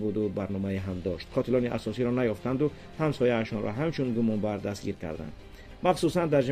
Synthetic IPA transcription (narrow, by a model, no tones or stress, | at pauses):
bud̪ubaɾnɔmaiɦamd̪ɔʃt̪qʰɔt̪ʰilɔniʔa̰sɔsiɾɔnajɔft̪and̪u | hamsɔjaːʃɔnɾʔɔ̰ɦamt͡ʃʰunɡumɔnbaɾd̪ast̪ɡiɾkʰa̰ɾd̪a̰nd̪ | maχsusand̪aɾd͡ʒ